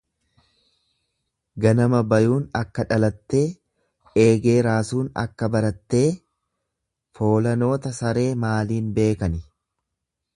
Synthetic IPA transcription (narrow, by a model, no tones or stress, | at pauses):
ɡɐnɐmɐbɐjuːnɐkːɐᶑɐlɐt̪ːe̞ː | eːɡe̞ːɾaːsuːnɐ̰kːɐbɐɾɐt̪ːe̞ː | fo̞ːlɐno̞ːt̪ɐsɐɾe̞ːmaːliːnbe̞ːkɐnɪ